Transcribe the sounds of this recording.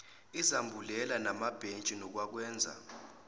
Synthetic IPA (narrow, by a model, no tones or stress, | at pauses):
izambʱulɛlanamab̥ʱent͡ʃʼinɔk̬wak̬wɛːnd͡zʱa̰